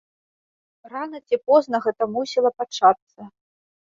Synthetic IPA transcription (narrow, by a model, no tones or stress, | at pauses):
ranɐt͡sʲipɔznɐɣɛt̪ɐmusʲilˠɐpat͡ʂat̪sːɐ